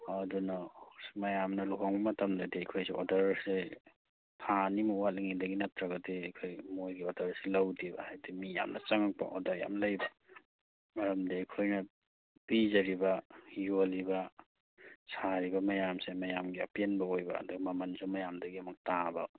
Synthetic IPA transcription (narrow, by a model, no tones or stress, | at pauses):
ɐdunɐmɐjamnɐluɦoŋbɐmɐtɐmdɐdiɐjkʰojsiʔodɐɾse | tʰanimɐwat̚liŋidɐɡinɐp̚tɾaɡɐdiɐkʰojmojɡiodɐɾselɐwdibɐ̰hajdimija̰mnɐt͡ʃɐŋak̚pa̰ʔo̰dɐɾja̰mlɐjbɐ | ɐɾɐmdijkʰojnɐ | pizɐɾibɐjolibɐ | sʰaɾibɐmɐjamsemɐjamɡiɐpenbɐojbɐ̰ːduɡɐmɐmɐnsomɐjamdɐɡiɐmɐk̚tabɐ